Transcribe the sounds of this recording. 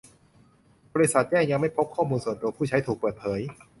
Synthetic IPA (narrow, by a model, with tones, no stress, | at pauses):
bɔː˧i˦˥sa˨˩t̪̚t͡ɕɛː˥˩ŋja˧ŋma˥˩jpʰo˦˥p̚kʰːɔː˥˩muː˧nsu˨˩ənt̪u˧pʰuː˥˩t͡ɕʰa˦˥jt̪ʰuː˨˩k̚pəɤː˨˩t̪̚pʰɤː˩˦j